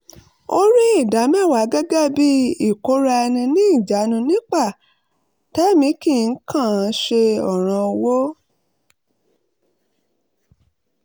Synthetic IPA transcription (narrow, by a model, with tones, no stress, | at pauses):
o˦ɾi˦i˦˨da˨˦mɛ̃˦˨wa˨˦ɡɛ˦ɡa˦bi˦i˦˨ko˨˦ɾa˧ɛ˧nĩ˧nĩ˦i˦˨d͡ʒa˨˦nũ˧nĩ˦k͡pa˦˨ | tɛ˨˦˨mĩ˨˦ki˦˨n̩˦kʰã˦˨˦ʃe˧ɔ˦˨ɾ̃ã˧wo˦